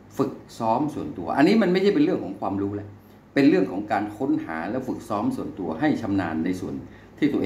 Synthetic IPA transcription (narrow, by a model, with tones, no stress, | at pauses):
fɯ˨˩k̚sɔː˦˥msu˨˩ənt̪u˧ɐʔa̰˧nːiː˦˥ma˧nma˥˩jt͡ɕʰa˥˩pe˧nɾɯ˥˩əŋkɔː˩˦ŋkʰwaː˧mɾuː˦˥lɛ˦˥ʔ | pe˧nɾɯ˥˩əŋkʰɔː˩˦ŋkaː˧nkʰo˦˥nha̰ː˩˦lɛː˦˥˩wfɯ˨˩k̚sɔː˦˥msu˨˩ənt̪u˧ɐɦa˥˩jt̪ʰa˧mnaː˧nːa˧jsu˨˩ən | t̪ʰiː˥˩t̪uː˧